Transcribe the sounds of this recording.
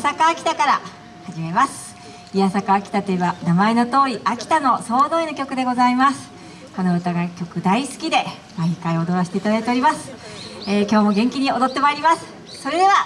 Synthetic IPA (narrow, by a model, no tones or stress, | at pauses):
sakaːkʲi̥t̪akaɾa | haʑime̞masɨ̥ | ijasakaːkʲi̥t̪at̪o̞ebanamaeno̞t̪o̞ːɾʲiʔakʲi̥t̪ano̞so̞ːd̪oino̞kʲo̞kɯ̟d̪e̞ɡo̞zaimasɨ̥ | ko̞no̞ɯ̟t̪aɡakʲo̞kɯ̟d̪aisɨ̥kʲid̪e̞ | maikaio̞d̪o̞ɾaɕi̥t̪e̞it̪ad̪ait̪eo̞ɾʲimasɨ̥ | eːkʲo̞ːmo̞ɡẽ̞ŋkʲiɲ̟io̞d̪o̞t̪ːe̞maiɾʲimasɨ̥ | so̞ɾe̞d̪e̞β̞a